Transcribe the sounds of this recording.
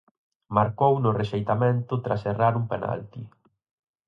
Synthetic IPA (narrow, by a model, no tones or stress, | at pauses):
maɾkownʊreʃejt̪amẽnt̪ʊt̪ɾa̰seraɾumpena̰lt̪i